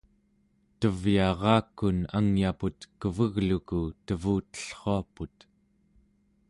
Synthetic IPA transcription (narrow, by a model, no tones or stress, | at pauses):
t̪əvjɑʁɑːkːunaŋjaput̪kəvəɣlukut̪əvuːt̪ə̥ɬχoaput̪